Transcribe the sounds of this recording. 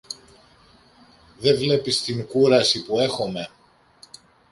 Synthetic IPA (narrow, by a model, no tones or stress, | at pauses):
ðe̞vle̞pist̪iŋkuɾɐsipue̞xo̞me̞